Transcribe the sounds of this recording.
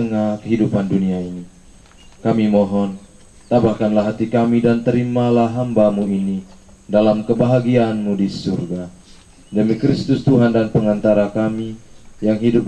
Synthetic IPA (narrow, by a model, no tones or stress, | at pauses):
əŋakəɦidupanduniaini | kamimɔɦɔn | t̪abahkanlaɦat̪ikamidant̪əɾimalaɦambamuini | dalamkəbaɦaɡiaːnmudisurɡa | dəmikɾist̪ʊst̪uɦandanpəŋant̪aɾakamijaŋɦidup̚